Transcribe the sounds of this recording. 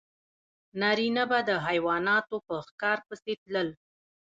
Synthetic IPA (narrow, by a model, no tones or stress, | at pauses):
nɑɾinabad̪əɦajwɑnɑt̪opəxkɑɾpəset̪ləl